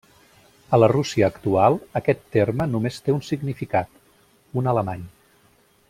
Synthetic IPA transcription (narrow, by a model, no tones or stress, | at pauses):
ələrusiəːkt̪ualˠəkɛt̪ːermənumest̪eunsiɡnifikat̪ | unələmaɲ